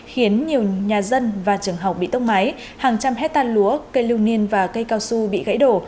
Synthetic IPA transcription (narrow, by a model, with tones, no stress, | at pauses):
xi˨˦ənɲi˨˩əwɲaː˨˩zə˧nvaː˨˩t͡ɕɨ˨˩əŋɦa˨˩k͡p̚ɓḭ˧˨t̪ə˧wŋ͡m̚ma˨˦j | haː˨˩ŋt͡ɕa˧mɦɛ˦˥t̚t̪aː˧lu˨˦əkə˧jlɨ˧ŋ͡mni˧ənvaː˨˩kə˧jkaː˧wsu˧ɓḭ˧˨ɣa̰˧˥jɗo˧˩